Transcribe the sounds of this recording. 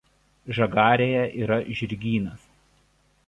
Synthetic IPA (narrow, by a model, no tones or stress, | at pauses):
ʒɐɡɑːɾʲeːjɛʔiːɾɐʒʲɪɾʲɡʲiːnɐs